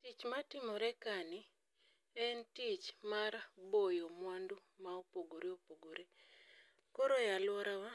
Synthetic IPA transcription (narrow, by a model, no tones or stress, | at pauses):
tit͡ʃmatɪmɔɾɛkanɪ | ɛntit͡ʃmarbojomwandumaopoɡoɾeopoɡoɾe | koɾojalwɔɾawa